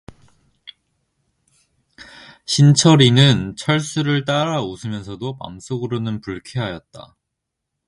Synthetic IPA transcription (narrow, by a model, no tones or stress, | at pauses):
ɕʰint͡ɕʰʌɾinɯnt͡ɕʰʌɭs͈uɾɯɭt͈aɾaosʰɯmjʌnsʰʌdopa̰ms͈oɡɯɾonɯnpuɭkʰeɦajʌt̚t͈a̰